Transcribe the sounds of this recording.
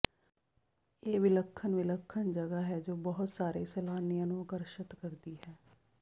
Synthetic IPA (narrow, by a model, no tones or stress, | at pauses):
eːʋɪləkʰːənʋɪləkʰːənd͡ʒəɡaːɦɛːd͡ʒoːbəɦʊt̪saːɾeːsɛːlaːnɪjãːnũːəkəɾʃət̪kəɾd̪iːɦɛː